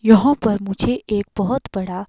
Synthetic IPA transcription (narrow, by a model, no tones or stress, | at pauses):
jəɦɔ̃pəɾmud͡ʑʱeʔek̚bəɦət̪bəɽa